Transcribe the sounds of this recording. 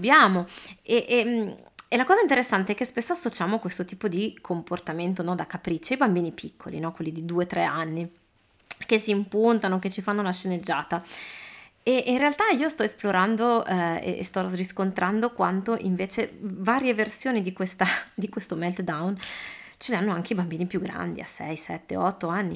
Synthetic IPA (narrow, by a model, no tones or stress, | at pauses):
bjaːmoeʔm | elakɔːzaint̪̬eɾesːant̪eɛkːespesːoasːot͡ʃaːmoakwest̪ot̪iːpod̪ikʰomport̪ament̪onɔd̪akapɾit͡ʃːajbambiːnipʰikʰːo̰lḭnɔkwelːid̪id̪uːet̪ɾɛanːi | kesːiːmpunt̪anoket͡ʃːifanːolaʃːened͡ʒːaːt̪a | eʔinrealt̪aiːost̪ɔesploɾand̪oɛḛʔḛst̪ɔriskont̪ɾʔand̪okwant̪oʔiɱveːt͡ʃevaːɾjeversjoːnid̪ikwest̪ad̪ikwest̪omɛlt̪d̪awn | t͡ʃeneanːoaŋkeibambiːnipjuɡːɾa̰nd̪ia̰sɛ̰jsɛ̰t̪ːḛɔt̪ːoanːi